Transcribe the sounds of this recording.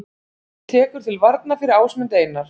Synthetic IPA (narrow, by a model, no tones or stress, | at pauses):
t̪ʰɛːkʏɾ̥t̪ʰɪlvaɾt̪̚nafɪɾɪɾaːwsmɪnt̪eːjnːaɾ̥